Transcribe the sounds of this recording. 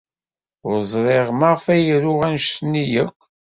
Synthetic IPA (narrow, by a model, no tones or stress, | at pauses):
ʊɾzˤɾˤeʁmɑʁfæjɾʊʁænʃsnijəkʷː